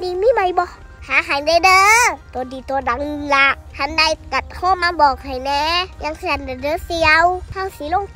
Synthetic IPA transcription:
ni˧˨miː˧˥˨ma˧˩jbɔ˧˦ | haː˨˦ɦa˨˩jna˧jdəː˧˦t̪ɔ˨˧˦diː˨˩t̪ɔː˧˦da˨˦ŋ˧la˧hʰa˧˥˨nda˧˩jka˨˩t̪̚hʰɔː˧˥˨maː˧˦bɔː˨˩k̚ha˨˩jnɛː˧˦ɲa˧˨ŋkʰnda˨˧˨dəː˧˦si˧a˧˦whʰa˧˩˨wsi˨˦lo˧˨ŋ

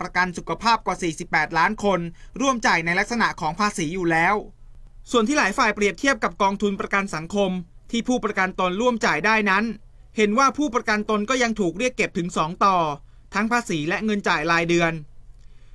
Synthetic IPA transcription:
pɾa˧ka˧nsu˨˩kʰa˧pʰaː˥˩p̚kwaː˨˩siː˨˩si˨˩pːɛː˨˩t̪̚laː˦˥nkʰo˧nɾu˥˩əmt͡ɕaː˨˩jna˧jla˦˥k̚sa˧na˨˩ʔkʰɔː˩˦ŋpʰaː˧siː˩˦juː˨˩lɛː˦˥w | su˨˩ənt̪ʰiː˥˩laː˩˦jfaː˨˩jpɾi˨˩əp̚t̪ʰi˥˩p̚ka˨˩p̚kɔː˧ŋt̪ʰu˧npɾa˧ka˧nsa˩˦ŋkʰo˧mt̪ʰiː˥˩pʰuː˥˩pɾa˧ka˧nt̪o˧nɾu˥˩əmt͡ɕaː˨˩jdaː˥˩jna˦˥n | he˩˦nwaː˥˩pʰuː˥˩pɾa˧ka˧nt̪o˧nkɔː˥˩ja˧ŋt̪ʰuː˨˩k̚ɾi˥˩əkːe˨˩p̚t̪ʰɯ˩˦ŋsɔː˩˦ŋt̪ɔː˨˩ | t̪ʰa˦˥ŋpʰaː˧siː˩˦lɛ˦˥ʔŋɤ˧nt͡ɕaː˨˩jlaː˧jdɯ˧ən

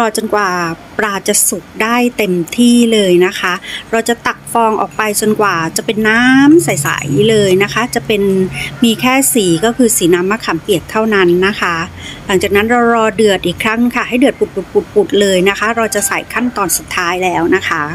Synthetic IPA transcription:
ɾɔː˧t͡ɕo˧nkwaː˨˩ | pɾaː˧˩t͡ɕa˨˩su˨˩k̚daː˥˩jt̪e˧mt̪ʰiː˥˩lɤː˧jna˦˥kʰa˦˥ʔɾaː˧wt͡ɕa˨˩t̪a˨˩k̚fɔː˧ŋʔɔ̰ː˨˩k̚pa˧jt͡ɕo˧nkwaː˨˩t͡ɕa˨˩pe˧nːaː˦˥msa˨˦jsa̰˨˩˦jlɤː˧jna˦˥kʰa˦˥t͡ɕa˨˩pe˧nmiː˧kʰɛː˥˩siː˩˦kɔː˥˩kʰɯː˧siː˩˦naː˦˥mːaː˧˥˩kʰa˨˩˦mpi˨˩ək̚t̪ʰa˥˩wna˦˥nːa˦˥kʰa˦˥ | la˩˦ŋt͡ɕaː˨˩k̚na˦˥nɾa˧wɾɔː˧dɯ˨˩ət̪ʔiː˨˩kʰːɾa˦˥ŋkʰa˥˩ha˥˩jdɯ˨˩ət̪̚pu˨˩t̪̚pu˨˩t̪̚pu˨˩t̪̚pu˨˩t̪̚lɤː˧jna˦˥kʰa˦˥ɾaː˧wt͡ɕa˨˩sa˨˩˦jkʰa˥˩nt̪ɔː˧nsu˨˩t̪ʰːaː˦˥jlɛː˦˥wna˦˥kʰa˦˥

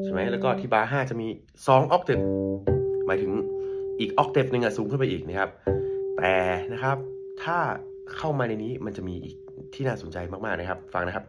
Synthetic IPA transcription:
t͡ɕʰo˧˩ma˦˥jlɛː˦˥wkɔː˥˩t̪ʰiː˥˩baː˧ɦaː˥˩t͡ɕa˨˩ʔmiː˧ | sɔː˨˦ŋʔɔː˦˥k̚d̪e˨˩p̚ | maː˨˦jt̪ʰɯ˩˦ŋʔiː˨˩k̚ʔɔː˦˥k̚d̪e˨˩p̚nɯ˧ŋʔa˨˩suː˩˦ŋkʰɯ˥˩npa˧jʔiː˨˩k̚na˦˥kʰa˦˥p̚t̪ɛː˨˩na˦˥kʰɾa˦˥p̚t̪ʰaː˥˩ | kʰa˥˩wmaː˧na˧jniː˦˥ma˧nt͡ɕa˨˩ʔmiː˧ʔḭː˨˩k̚t̪ʰiː˥˩naː˥˩so˨˩˦nt͡ɕa˧jmaː˥˩k̚maː˥˩k̚na˦˥kʰa˦˥p̚fa˧ŋna˦˥kʰa˦˥p̚

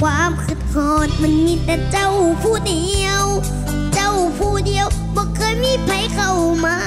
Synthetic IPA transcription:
waː˧˥mkʰɯ˧˩t̪̚kʰɔː˧˩n̚ma˧˥˨nmiː˧˥t̪ɛː˧˩t͡ɕa˧˩wpʰuː˧˩di˧ə˨w | t͡ɕa˧˩wpʰuː˧˩di˧əwbɔː˧˦kʰɤː˧˥˨jmiː˧˥˨pʰa˧˥˦jkʰa˧˩wmaː˧˥

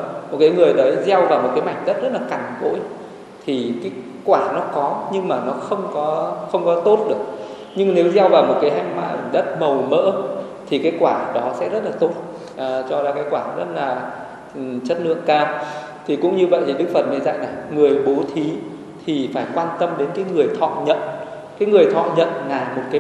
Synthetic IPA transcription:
mo˨˩t̚kaː˨˦jŋɨ˨˩əjɗə˨˦jzɛ˧wvaː˨˩wmo˨˩t̚kaː˨˦jma˨˩jŋ̟ɗə˦˥t̚zə˦˥t̚laː˨˩ka˨˩jŋ̟ko̰˧˥j | t̪ʰi˨˩kaː˨˦j | kwaː˧˩nɔ˨˦kɔ˨˦ɲɨ˧ŋmaː˨˩nɔ˨˦xə˧wŋ͡mkɔ˨˦xə˧wŋ͡mkɔ˨˦t̪o˦˥t̚ɗɨ˨˩ək̚ | ɲɨ˧ŋne˨˦wzɛ˧wvaː˨˩wmo˨˩t̚kaː˨˦jɦa˧˩jŋma̰ː˧˨ŋɗə˦˥t̚mə˨˩wmə̰ː˧˥ | t̪ʰi˨˩kaː˨˦jkwaː˧˩ɗɔ˨˦sɛ̰˧˥zə˦˥t̚laː˨˩t̪o˦˥t̚ | ʔːt͡ɕɔ˧zaː˧kaː˨˦jkwaː˧˩zə˦˥t̚laː˨˩˨ | t͡ɕə˦˥t̚nɨ̰˧˨əŋkaː˧w | t̪ʰi˨˩kʊ̰˧˥ŋ͡mɲɨ˧və̰˧˨jt̪ʰi˨˩ɗɨ˦˥k̚fə˨˩t̚mə˨˧˩jza̰˧˨jna˨˩jŋɨ˨˩əjɓo˨˦t̪ʰi˨˦ | t̪ʰi˨˩faː˧˩jkwaː˧nt̪ə˧mɗe˨˦nkaː˨˦jŋɨ˨˩əjt̪ʰɔ̰˧˨ɲə̰˧˨n | kaː˨˦jŋɨ˨˩əjt̪ʰɔ̰˧˨ɲə̰˧˨nlaː˨˩mo˨˩t̚kaː˨˦

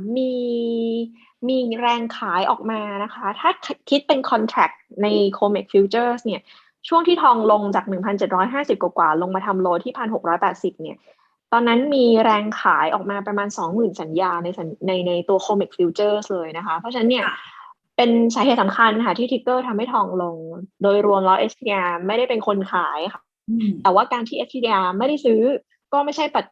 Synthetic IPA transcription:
miː˧ | miː˧ɾɛː˧ŋkʰaː˩˦jʔɔ̰ː˨˩k̚maː˧na˦˥kʰa˦˥t̪ʰaː˥˩kʰkʰi˦˥t̪̚pe˧nkʰɔ˧nt̪ʰɾɛ˨˩k̚na˧jkʰoː˧me˨˩k̚fiː˧˦˥wt͡ɕɤː˥˩sni˥˩ɐ | t͡ɕʰu˥˩əŋt̪ʰiː˥˩t̪ʰɔː˧ŋlo˧ŋt͡ɕaː˨˩k̚nɯ˨˩ŋpʰa˧nt͡ɕe˨˩t̪̚ɾɔː˦˥jɦaː˥˩si˨˩p̚kwa˨˩kwa̰ː˨˩lo˧ŋma˧t̪ʰa˧mloː˧t̪ʰiː˥˩pʰa˧nɦo˨˩k̚ɾɔː˦˥jpɛː˨˩t̪̚si˨˩p̚ni˥˩ɐ | t̪ɔː˧nːa˦˥nmiː˧ɾɛː˧ŋkʰaː˩˦jʔɔ̰ː˨˩k̚maː˧pɾa˧maː˧nsɔː˨˩˦ŋmɯː˨˩nsa˩˦njaː˧na˧jsa˩˦nna˧jna˧jt̪u˧ɐkʰoː˧mi˨˩k̚fi˧wt͡ɕɤː˥˩slɤː˧jna˦˥kʰa˦˥pʰɔ˦˥t͡ɕʰa˧na˦˥nːi˥˩ɐ | pe˧nsaː˨˩˦ɦe˨˩t̪sa˩˦mkʰa˧nkʰa˥˩t̪ʰiː˥˩t̪ʰi˦˥k̪ːɤː˥˩t̪ʰa˧mha˥˩t̪ʰɔː˧ŋlo˧ŋdoː˧jɾu˧əmla˦˥wʔe˦˥st̪ʰi˧ʔaː˧ma˥˩jda˥˩jpe˧nkʰo˧nkʰaː˩˦jkʰa˥˩ | t̪ɛː˨˩waː˥˩kaː˧nt̪ʰiː˥˩ʔe˦˥t̪ʰi˧i˧ʔaː˧ma˥˩jda˥˩jsɯː˦˥ | kɔː˥˩ma˥˩jt͡ɕʰa˥˩jpa˨˩t̪̚

